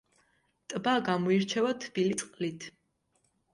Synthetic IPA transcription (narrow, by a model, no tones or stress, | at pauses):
t̪ʼbaɡamɔiɾt͡ʃʰɛvat̪ʰb̥ilit̪sʼqʼlit̪ʰ